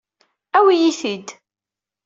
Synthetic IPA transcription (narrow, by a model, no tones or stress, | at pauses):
æwijiθid̪